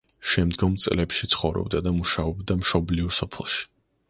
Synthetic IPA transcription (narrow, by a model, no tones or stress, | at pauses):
ʃɛmd̪ɡɔmt̪sʼlɛpʃit̪sʰχɔvɾɔ̰bd̪ad̪amuʃaɔbd̪amʃɔbliusɔpʰɛlˠʃi̥